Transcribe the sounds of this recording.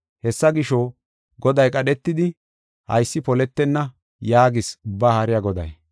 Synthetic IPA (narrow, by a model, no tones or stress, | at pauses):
hɛsːɐɡɪʃo | ɡɔd̪ɐjkʼɐɗɛt̪ːɪd̪ɪ | hɐ̰jsːɪpɔlɛt̪ːɛnːɐ | jaːɡɪsʊbːaːhɐɾɪjaɡɔd̪ɐ̰j